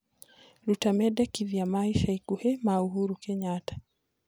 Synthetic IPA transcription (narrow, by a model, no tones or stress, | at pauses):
ɾutamɛdɛkiðiamaiʃaikuhɛmauɦuɾukɛɲatḁ